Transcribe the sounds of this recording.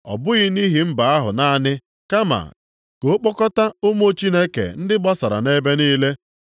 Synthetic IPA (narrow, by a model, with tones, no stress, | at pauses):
ɔ̰˨bʊ˦ɣɪ˦ni˦ɦi˨m̩˦ba˨a˦ɦʊ̰˨na˦˨nɪ˦ | ka˦ma̰˨ | ko˨˦k͡pɔ˦kɔ˦ta˦ʊ˦m˦o˦t͡ʃi˦ne˦kḛ˨n̩˦dɪ˦ɡ͡bɔ˦sa˨ɾa̰˨ne˦be˦niː˦le˦